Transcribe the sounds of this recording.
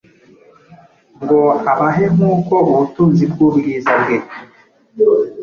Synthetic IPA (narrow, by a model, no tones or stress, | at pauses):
ŋɡoaβaɦeŋ̥uːkouβutuːnzibɡuːbɡiːzabɡe